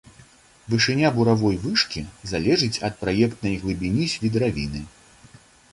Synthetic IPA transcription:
vɨʂɨnʲabuɾavɔjvɨʂkʲizalʲɛʐɨt͡sʲɐt̪̚pɾajɛkt̪nɐjɣlˠɨbʲinʲisʲvʲid̪ɾavʲinɨ

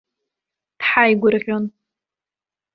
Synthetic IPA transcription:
d̥ħajɡʷʊrʁʲon

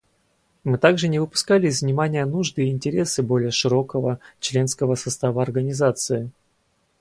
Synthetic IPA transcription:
mɨt̪aɡʐɨnʲɪvɨpʊ̥skalʲɪɪzʲvnʲɪmanʲɪjənuʐd̪ɨɪnʲtʲɪɾʲe̞sɨbo̞lʲɪjəʂɨɾo̞kəvət͡ɕlʲe̞nskəvəsɐst̪avəɐrɡənʲɪzat̪sɨɪ

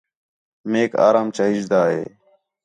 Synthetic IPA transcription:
meːka̰ːɾaːmt͡ʃaːɦɪd͡ʒd̪aːɦḛː

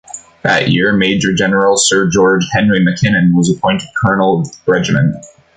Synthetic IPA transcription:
ðɨ̰ʔjɪɹmeɪd͡ʒə˞d͡ʒɛnə˞l̩ˠsɜ˞d͡ʒɔɹd͡ʒ̥hɛ̃nɹimɨkʰɪ̃nɨ̃nwʌzəpʰɔ̃ɪ̃ntɨd̚kʰɜ˞nl̩ˠɹɛd͡ʒɨmɨ̰̃nt

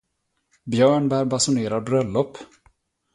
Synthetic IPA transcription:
bjœːɳbæːɾbasʊneːɾaɾbɾœlːɔpː

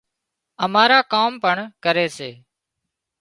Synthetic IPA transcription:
əmaːɾaːkaːmpəɳkəɾeːseː

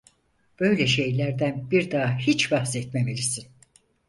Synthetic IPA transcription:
b̥ø̞jlʲɛʃe̞jlʲæɾd̪ænbiɾd̪aːhit͡ʃvahsɛt̪̚memelʲisin

